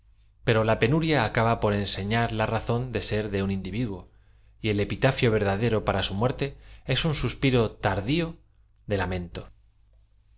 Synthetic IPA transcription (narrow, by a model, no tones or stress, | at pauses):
pe̞ɾo̞lape̞nuɾjaːkaβapo̞ɾe̞nse̞ɲaɾlaraθo̞nd̪e̞se̞ɾðe̞unind̪iβiðwo̞ | ie̞le̞pit̪afjo̞β̞e̞ɾð̞aðe̞ɾo̞paɾasumwe̞ɾt̪e̞e̞sunsuspiɾo̞t̪aɾðio̞ | ðe̞lamẽ̞nt̪o̞